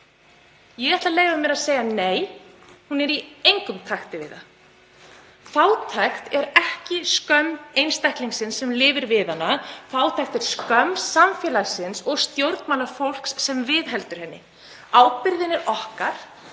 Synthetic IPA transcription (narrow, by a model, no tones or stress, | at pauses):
jɛɣɛht̪laleːjvamjɛɾaðseːjaneːjhunɛɾiejŋkʏmt̪ʰaxt̪ɪvɪ̰ːða | θaːwt̪ʰaxt̪ɛɾɛhcɪskœmejnst̪ahk̪liŋsɪnsːɛmlɪːvɪɾvɪðanːaθaːwt̪ʰajxt̪ɛɾ̥skœmsamfjɛːlaɣsɪnsɔɣst̪jowɾt̪maːlaɾfowl̥kssɛmvɪðɦɛlt̪ʏɾ̥hɛnːɪ̰ | aːwpɪɾðɪnɛɾɔhkaɾ̥